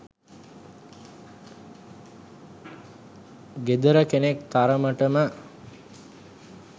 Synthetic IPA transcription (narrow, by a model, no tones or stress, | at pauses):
ɡed̪əɾəkenekt̪aɾəməʈəmə